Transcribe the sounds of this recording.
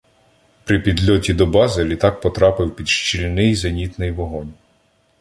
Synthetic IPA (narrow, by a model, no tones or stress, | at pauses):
pɾɪpʲid̪lʲɔtʲid̪ɔbɑzɪlʲit̪ɑk̚pɔt̪ɾɑpɪwpʲid̪ʃt͡ʃilʲnɪjzɐnʲit̪nɪjʋɔɦɔnʲ